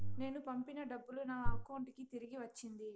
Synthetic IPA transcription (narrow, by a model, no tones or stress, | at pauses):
ne̞ːnupɐmpinɐɖɐbːulunaːɐkɐwɳʈkit̪iɾiɡiʋɐt͡ʃːind̪i